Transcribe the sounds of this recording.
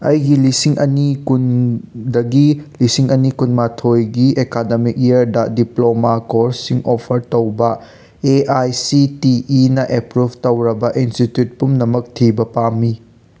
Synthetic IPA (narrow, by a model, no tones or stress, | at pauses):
ɐjɡilisiŋʔɐnikundɐɡilisiŋɐnikunmatʰojɡiekademik̚iɐɾdɐdiplomakoɾsiŋɔpʰɐɾtɐwbɐ | eajsitiːnɐʔepɾubʱtɐwɾɐbɐʔinstitjut̚pumnɐmɐk̚tʰibɐpamːi